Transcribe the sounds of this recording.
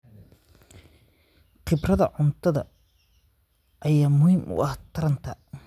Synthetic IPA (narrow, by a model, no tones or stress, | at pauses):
qɪbrɐðɐʕʊnt̪ʰɐðɐ̰ | ʔɐjaːmʊhiːmʔʊ̰ʔɐht̪ʰɐɾɐnt̪ʰɐ